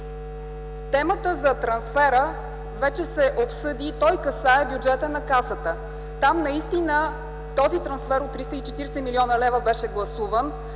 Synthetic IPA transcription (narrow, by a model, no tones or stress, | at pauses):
t̪ɛmət̪əzɐt̪ɾɐnsfɛɾə | vɛt͡ʃɛsɛʔopsɤd̪it̪ɔjkɐsaɛbjud͡ʒɛt̪ənɐkasət̪ə | t̪amnɐist̪inə | t̪ɔzit̪ɾɐnsfɛɾot̪ːɾist̪əit͡ʃɛt̪iɾsɛmiliɔnəlɛvəbɛʃɛɡlˠɐsuvən